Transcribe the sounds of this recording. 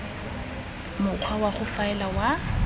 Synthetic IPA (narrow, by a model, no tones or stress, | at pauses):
mʊq͡χʰwawaχʊfaɛlawa